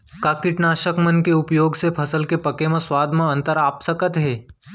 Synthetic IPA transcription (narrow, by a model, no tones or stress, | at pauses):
kaːkɪʈnaːʃəkmənkeʊpjoːɡsepʰɐsəlkepɐkemãswaːd̪ʱmãə̃nt̪əɾaːpsəkət̪ɦeː